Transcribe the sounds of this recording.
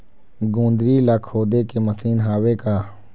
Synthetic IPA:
ɡõːnd̪ɾiːlaːkʰhoːd̪eːkeːməsiːnɦaːweːkaː

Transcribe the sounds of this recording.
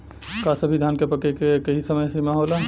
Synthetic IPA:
kasəbʱid̪ʱaːnkepəkekekəɦisəməjsemaɦoːla

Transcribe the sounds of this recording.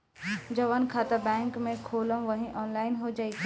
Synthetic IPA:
d͡ʒɐʋənkʰaːt̪abɛ̃ːŋkmẽkʰoːləmʋɐɦĩʔɔːnlaːɪnɦod͡ʒaːiɡ

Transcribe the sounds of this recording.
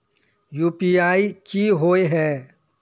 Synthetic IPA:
juːpiaːikiɦoːeɦɛː

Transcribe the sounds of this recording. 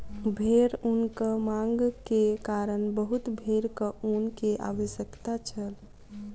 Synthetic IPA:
bʱeɾunkəmãŋɡkekaɾənbəɦut̪bʱeɾkəʔunkeʔa̰ʋəʃjəkt̪at͡ʃʰəl

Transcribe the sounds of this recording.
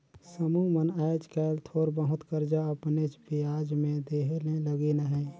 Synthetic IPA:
səmumənaɪd͡ʒkɛːlt̪ʰoːɾbəɦʊt̪kəɾd͡ʒaəpnet͡ʃbiaːd͡ʒmẽd̪eːɦeleləɡinəɦɛ̃ː

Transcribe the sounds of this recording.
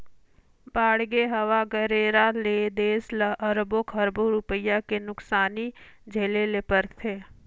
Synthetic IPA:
baːɽɡeɦəʋaɡəɾeːɾaled̪eːsləʔəɾbokʰɐɾboɾupəjakenʊksaːnid͡ʒʱeːlelepəɾt̪ʰeː

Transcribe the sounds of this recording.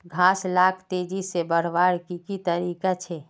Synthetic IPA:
ɡʱaːslaːkʰt̪eːd͡ʒisebəɽ̤ʋaːɽkikit̪əɾiːkat͡ʃʰe

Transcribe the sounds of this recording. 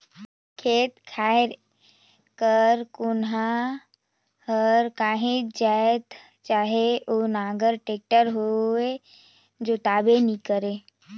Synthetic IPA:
kʰeːt̪kʰaːeɾ | kəɾkʊnɦa | həɾkaːɦẽd͡ʒaːt̪ | t͡ʃaːɦeonãːɡəɾʈeːk̚ʈəɾɦoe | d͡ʒoːt̪aːbenikəɾeː

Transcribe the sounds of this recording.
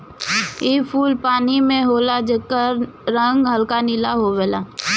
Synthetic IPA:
iːpʰuːlpaːnimẽɦoːlad͡ʒəkːəɾɾə̃ŋɡɦəlkanɪlaɦoʋeːlaː

